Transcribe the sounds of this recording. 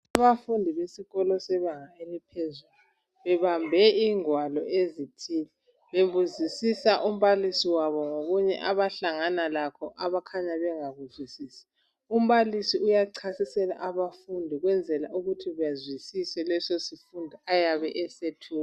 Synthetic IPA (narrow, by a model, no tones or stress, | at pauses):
aβafundʱiβesiɣɔlɔsɛβaŋaelipʰezulu | βɛβambʱɛiŋwalɔezitʰiːlɛ | βeβuzisisaʔum̩βalisiwaβɔŋoɣuɲɛ̰ʔaβaɬaŋanalakʰɔʔaβakʰaɲaβɛŋaβuzwisiːsḁ | um̩βalisiujaǀʰasisɛla̰ʔaβafundʱiɣwɛnd͡zʱɛla̰ʔuɣutʰiβjazwisisɛlɛsɔsifundʱiajaβɛʔɛsetʰuːa